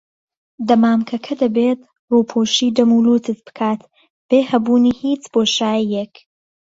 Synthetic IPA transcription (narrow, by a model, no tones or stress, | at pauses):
d̪ɐmaːmkʰɐkʰɐd̪ɐbeːt̪ | ruːpʰoːʃiːd̪ɐmuːluːt̪ʰɨsb̥ɨ̥kʰaːt̪ | b̥eːhɐbuːniːhiːt͡sb̥oːʃaːijek